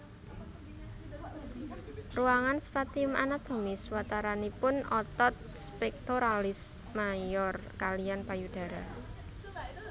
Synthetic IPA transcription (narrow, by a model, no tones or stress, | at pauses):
ruaŋanspat̪iʊma̰nad̪̥o̤mɪswat̪aɾanipʊnɔt̪ɔt̪̚spɛk̚t̪oɾalɪs | majɔrkalianpajud̪̥a̤ɾa̰